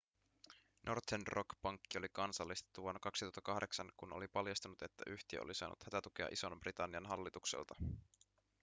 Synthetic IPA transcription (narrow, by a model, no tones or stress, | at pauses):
nʔo̞rt̪ʰenrokpɑŋkːiolikɑnsɑlːist̪e̥t̪ːuʋonːkɑksit̪uɑt̪ːɑkɑhde̞ksɑnkuno̞̰lipɑljɑst̪unut̪e̞t̪ːæʔyçt̪iæ̰ʔo̰lisɑ̰ːnṵt̪hæt̪æt̪ukeɑ̰ʔiso̞nbrit̪ɑnːiɑnɦɑlːit̪uksḛlt̪ɑ